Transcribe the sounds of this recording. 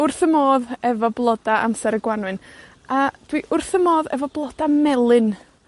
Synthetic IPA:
ʊrθəmoːðɛvɔblˠɔdaʔa̰msɛɾəɡwanwɨn | ad̥wiʔʊrθəmoːðɛvɔblˠɔd̥amɛlˠɨn

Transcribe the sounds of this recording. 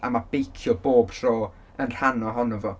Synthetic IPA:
ʔa̰mab̥ejkʰjɔboːbɬroː | ənr̥anɔɦɔnɔvɔ

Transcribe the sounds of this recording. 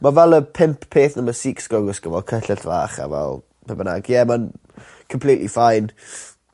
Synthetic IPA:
mavɛlˠəpʰɪmpʰpʰeːθnəməsiːksɡ̥ɔɡəsɡ̥əvɔkʰəɬɪɬvaːχa̰vɛ̰lˠ | pʰəbəna̰ɡjɛman | kʰəmpʰlˠiːʔlifajn

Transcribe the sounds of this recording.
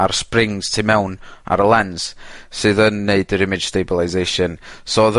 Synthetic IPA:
arsprɪŋz̥tʰɪmɛwna̰ɾəlˠɛnssɨðənːeɨdəɾɪmɪd̥ʒ̥stejbəlˠazejʃənsoðə

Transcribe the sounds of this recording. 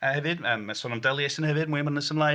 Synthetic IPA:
əhɛvɨdəːmasɔːnamdɛlˠjɛsənhɛvɨd̚mwimənəsəmlˠa

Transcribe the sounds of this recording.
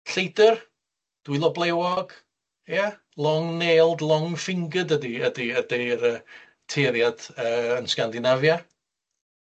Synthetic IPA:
ɬejdər | d̥wɪlˠɔblˠɛwɔɡ̥ | ja | lˠɔŋneːlˠdlˠɔŋfɪŋɡədədiədiədeɾə | tʰeðjad̥əːənskandɪnavja

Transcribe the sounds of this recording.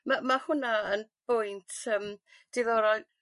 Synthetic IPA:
mamahʊnaənb̥ʊjntʰəm | d̥ɪðɔɾɔj

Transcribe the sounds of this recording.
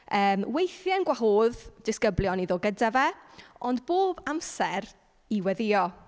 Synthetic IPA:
əːmwejθjɛnɡwaɦoːðd̥ɪskəbljɔniðoːɡədavɛɔndboːbamsɛɾ | iwɛðɪɔ

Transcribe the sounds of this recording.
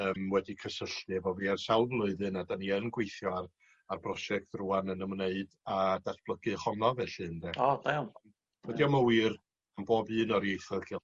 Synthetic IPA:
əːmwɛdikʰəsəɬtɨvɔviːarsalˠblˠʊɨðɨnadaniənɡwejθjɔar | arbrɔsɛk̚tʰruanənəmneɨdadatb̥lˠəɡ̥ɨχɔnɔvɛɬɨndɛɔdaw | wɛdiɔməwir | amboːbɨːnɔɾjejθɔkʰɛ

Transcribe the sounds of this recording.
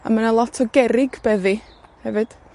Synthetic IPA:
a̰manalˠɔtʰɔɡɛɾɪɡbɛðihɛvɨd̥

